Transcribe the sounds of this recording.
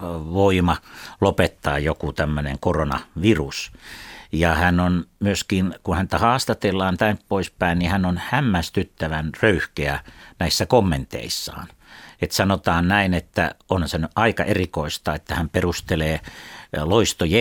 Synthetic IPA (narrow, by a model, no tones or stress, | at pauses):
ʋoimɑlopet̪ːɑ̰ːjokut̪æmːønḛŋkoronɑ̰ʋirus | jɑhænonmyøskinkunhænt̪æhɑːst̪ɑt̪elːɑːnt̪ænppoispæinnihænonhæmːæst̪yt̪ːæʋænrøyhkeænæisːækomːent̪ḛisːɑ̰ːnet̪sɑnot̪ɑːnnæinet̪ːæ̰onhɑnsɑnːyʔʔɑikɑ̰ʔerikoist̪ɑːet̪ːæhæmperust̪eleːloist̪oje